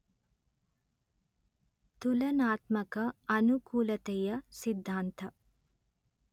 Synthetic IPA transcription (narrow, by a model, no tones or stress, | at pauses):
t̪ulɐnaːt̪mɐkɐɐnukuːlɐt̪ɛjɐsid̪ʱːaːnt̪ʰɐ